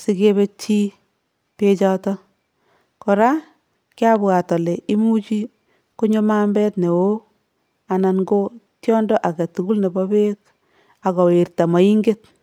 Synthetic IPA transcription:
si˦ke˦be˦t͡ʃi˦ | pe˦t͡ʃɔtɔ˦ | kɔ˨ɾa˦ | kja˦bwa˨tɔ˨le˨ʔi˦mu˦t͡ʃi˦ | ko˦ɲo˦ma˦mbɛ˦tne˨wo˦ | a˨na˨nɡo˦tjɔ˦ndɔ˦ʔa˨ɡa˨tu˨ɡu˦lne˨bɔ˦be˦k | a˨kɔ˨we˨ɾta˨ma˨i˦ŋɡe˦t̚

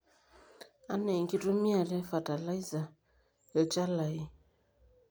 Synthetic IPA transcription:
a˦nɛ˨ŋki˦to˦mi˦a˨ɾɛ˦fa˨ta˨la˦i˦za˨ | e˨t͡ʃa˦la˨i˦

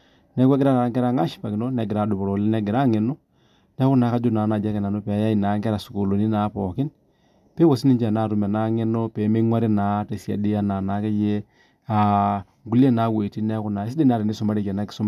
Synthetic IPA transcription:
nɛ˦kwɛ˦ɡɪɾa˦ɾa˨˦ŋkɛ˦ɾa˦ŋa˦ʃpa˨kɪ˨no˦nɛ˨ɡɪ˨ɾa˦˨do˨bo˨ɾo˨lɛ˦nɛ˦ɡɪ˨ɾa˦ŋɛ˨no˦ | nɛ˦ku˦na˨˦ka˦d͡ʒo˦na˨˦na˨d͡ʒa˦kɛ˨na˨no˦pɛ˨˦ja˦i˨na˨˦ŋkɛ˦ɾa˨su˨ko˨lo˨ni˦naː˨˦pɔ˨kɪ˦n | pɛ˦wo˨s̬i˦ni˦nd͡ʒa˨naː˦˨ɾu˨mɛ˨na˨˦ŋɛ˦no˦pɛ˨˦me˦ŋwa˦ɾi˦naː˨˦te˨si˨a̰˨di˦a˦naː˨naː˨˦kɛ˦je˦ | a˨ | ŋɡu˦le˦naː˨˦we˨ti˦nɛ˦ku˦na˨ɪ˦s̬i˦de˦n˦a˨ɾɪ˨ni˦sʊ˨ma˦ɾi˦˨kɛ˨na˦kɪ̥˨sʊ˦m˦

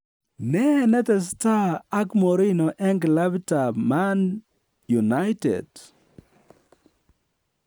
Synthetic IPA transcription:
nɛ˦nɛ˦t̪ɛ˨s̬ta˦a˦kmo˨ɾinɔ˨ʔɛ˦ŋɡla˦bta˨ma˦n | ju˨na˦ɪtḛ˨d̥

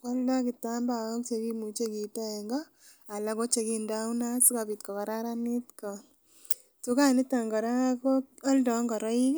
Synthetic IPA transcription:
kɔ˦lda˦kɪ˨ta˦mba˨wɔ˦kt͡ʃe˧ki˦mu˨t͡ʃe˦ki˨tɛ˦ɛ˨ŋɡɔ˦ | a˨la˨˦ko˦t͡ʃe˨ki˦ndawna˦su˦ka˨bi˨tkɔ˨kɔ˨ɾa˦ɾa˦nɪ˦tkɔ˨ | tu˦ka˦nɪ˦ta˨ŋɡɔ˨ɾa˦kɔɔ˦ldɔ˨˦ŋɡɔ˨ɾɔ˦i˦k

